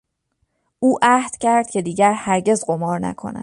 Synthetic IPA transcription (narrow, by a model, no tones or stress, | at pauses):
ʔuːʔæhd̪̥cʰæɾd̪̥cʰe̞d̪iːɟæɾhæɾɟe̞zɢo̞mɒːɾnæ̰kʰo̞̰næ̰̥